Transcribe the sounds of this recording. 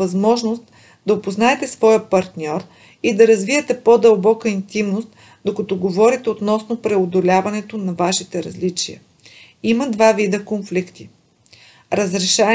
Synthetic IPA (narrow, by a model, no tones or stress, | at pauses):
ɐzmɔʒnost̪ | d̪ɐopoznaɛt̪ɛsvɔjəpɐɾt̪nʲɔɾ | id̪ɐɾɐzviɛt̪ɛpod̪ɐlˠbɔkəint̪imnost̪ | d̪okɐt̪ɔɡovɔɾit̪ɛot̪nɔsnopɾɛod̪olʲavɐnɛt̪onɐvaʃit̪ɛɾɐzlit͡ʃijə̰ | imɐd̪vavid̪əkonflikt̪i | ɾɐzɾɛʃa